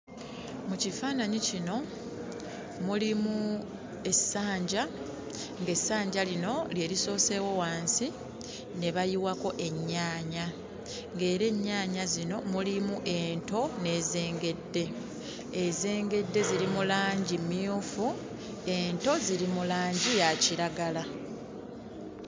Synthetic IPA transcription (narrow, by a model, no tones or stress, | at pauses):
mucifaːnaɲicino̞ | mulimu | e̞sːaːɲɟa | ŋɡe̞saːɲɟalino̞lje̞ːɾiso̞ːse̞wo̞waːnsi | ne̞βajiwako̞ʔe̞ɲːaːɲa | ŋɡe̞ːɾe̞ɲːaːɲazino̞mulimuʔe̞ːnto̞ne̞ːze̞ːŋɡe̞dːe̞ | eze̞ːŋɡe̞dːe̞ziɾimulaːɲɟimːjufu | e̞ːnto̞ziɾimulaːɲɟijaciɾaɡala